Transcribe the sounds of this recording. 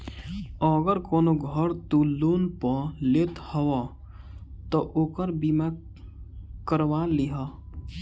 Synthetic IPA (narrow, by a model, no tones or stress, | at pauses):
ɔɡəɾkɔːnoɡʱəɾt̪uloːnpɔleːt̪həwa | t̪ɔʔoːkəɾbima | kəɾwaliɦa